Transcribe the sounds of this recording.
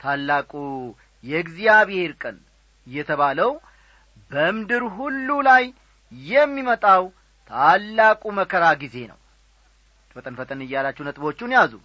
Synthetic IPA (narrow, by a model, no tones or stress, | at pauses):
t̪ʰalːakʼu | jɛɨɡzijaβehe̞ɾkʼən | ɨjːɛt̪ʰəβaləw | bəmɨd̪ɨɾɦulːulaj | jɛmːimət̪ʼaw | t̪ʰalːakʼuməkʰəɾaɡize̞nə̰w | fət̪ʼənfət̪ʼənɨjalat͡ʃːuhnət̪ʼbo̞t͡ʃːunijazṵ